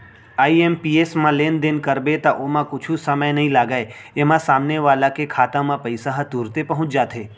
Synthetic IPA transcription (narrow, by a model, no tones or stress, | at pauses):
aːiempiesmãleːnd̪enkəɾbet̪aʔomãkʊt͡ʃʰũsəməjnɐɦĩlaːɡaːe | emãsaːmneʋaːlãkekʰaːt̪ãmãpəɪsaɦt̪uɾt̪epəɦʊ̃t͡ʃd͡ʒaːt̪ʰeː